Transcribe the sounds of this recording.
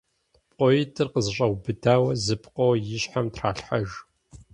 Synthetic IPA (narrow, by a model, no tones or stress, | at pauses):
pʼɔjɪtʰɨrqəzɕʼɐwbɨdʰaːwɐzɨpʰʼqʼɔwjɪɕħamtʰraːɬħaʒ